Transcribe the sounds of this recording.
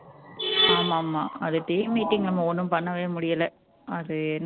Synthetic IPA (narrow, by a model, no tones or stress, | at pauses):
aːmaːmːaːɐðɯʈɐjmːiːʈːɪŋɡlɐmːɐɔnːɯmpɐnːɐʋeːmʊɽɪjɐlɐ | ɐðɯɛnː